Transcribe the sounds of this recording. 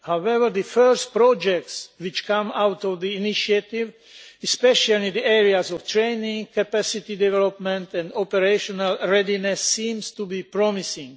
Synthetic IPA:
hawɛvəɹðɨfɜɹs̚pɾɔd͡ʒɛk̚tswɪt͡ʃkãmawt̪ɔvðiiniʃiat̪iv | ɛspɛʃalid̪iɛɹiazɔvt̪ʰɹẽɪnĩŋkapæsit̪id̪ɛvɛlɔpmɛ̃nt̪ɛ̃ndɔpɛɾeʃɔnalɹɛdinɛsːĩːmst̪ubipɹɔmisɪ̃ŋ

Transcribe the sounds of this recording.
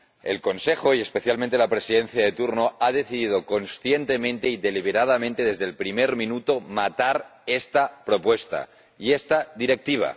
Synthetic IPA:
e̞̰lko̞nsexoie̞spe̞θjalmẽnt̪e̞lapɾesiðe̞nθjaðe̞t̪uɾnoaðe̞θiðið̞o̞ko̞nsθje̞nt̪emẽ̞nt̪e̞iðe̞liβ̞eɾað̞amẽnt̪e̞ðe̞zðelpɾimeɾmĩnut̪o̞mat̪aɾest̪apɾo̞pwe̞st̪a̰ | iest̪aðiɾek̚t̪iβ̞a̰

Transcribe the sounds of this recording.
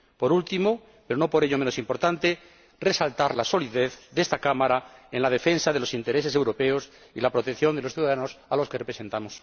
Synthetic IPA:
po̞ɾult̪imo̞ | pe̞ɾono̞po̞ɾeʎomẽ̞no̞simpo̞ɾt̪ant̪e̞ | re̞salt̪aɾlaso̞liðe̞θðe̞st̪akamaɾaenlað̞e̞fe̞nsað̞e̞lo̞sint̪e̞ɾe̞se̞se̞wɾo̞pe̞o̞s | ilapɾo̞t̪ekθjo̞nd̪eosθjuðaðano̞salo̞skerepɾese̞nt̪amo̞s

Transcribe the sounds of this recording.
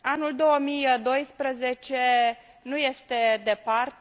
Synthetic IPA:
anuld̪o̞wəmijd̪o̞jspɾəze̞t͡ʃe | nuje̞st̪e̞d̪e̞part̪

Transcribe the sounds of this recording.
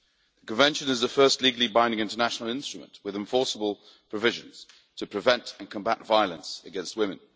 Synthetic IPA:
ðəkə̃ɱvɛ̃nʃə̃nɪzðəfɜˑstˡliɡl̩ˠibãɪ̃ndɪ̃ŋɪ̃ntənaʃnəl̩ˠɪ̃nstɹ̥əmə̰̃nʔwɪðɪ̃ɱfɔˑsəbəlˠ | pʰɹ̥əvɪʒə̃nz̥ | tʰəpʰɹ̥ɨvɛ̃ntə̃nkʰə̃mbatv̥aɪəlˠə̃nsəɡɛ̃nst̚wɪ̃mɪ̃n

